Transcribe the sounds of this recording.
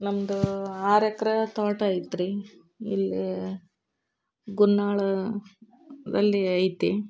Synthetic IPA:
nɐmɐd̪uaːɾɐkɐɾɐt̪aːʈajit̪ɾi | ḭlːi | ɡunːaːɭɐ | d̪ɐlːiɐjt̪i

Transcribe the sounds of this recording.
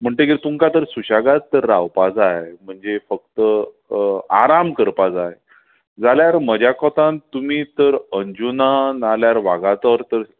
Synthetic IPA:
m̤əɳʈ̪əkit̪uŋkat̪əɾsuɕaɡatt̪ːəɾːawpad͡zaɦem̤əɳd͡zefək̚t̪ə | a̰ɾamkəɾpad͡zaɦe | d͡zaljaɾməd͡ʑakɔt̪ãnt̪umiːt̪əɾəɲd͡ʑunanaljaɾʋaɡat̪ɔɾt̪əɾ

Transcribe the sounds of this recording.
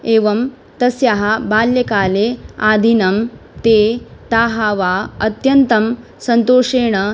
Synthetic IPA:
eːʋɐm | t̪ɐsjɐɦɐbaːljɐkaːleaːd̪ʱinɐmt̪eːt̪aːɦaːʋaːɐt̪jɐnt̪ɐm | sɐnt̪oːʂeːɳɐ

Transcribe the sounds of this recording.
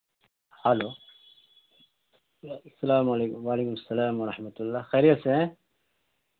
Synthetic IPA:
halo | sɐlaːmlwaːleːkumɐsːɐlaːmwɐɾɐħmɐt̪ulːaːxeːɾijɐsẽ

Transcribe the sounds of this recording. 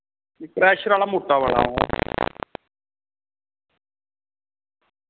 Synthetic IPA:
kɾɛːʃɾaːlaːmʊʈːaːʋa̰ːɭa̰ːa

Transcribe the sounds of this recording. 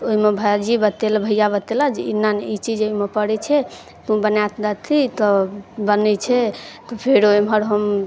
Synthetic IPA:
oɦimebʱad͡ʒibət̪elbʱəjabət̪elad͡ʒeinːanit͡ʃid͡ʒoimepəɽɛt͡ʃʰɛ | t̪ũbənat̪ʰd̪at̪ʰːit̪ɔbənɛt͡ʃʰɛt̪ɔpʰeɾoimʱəɾɦəm

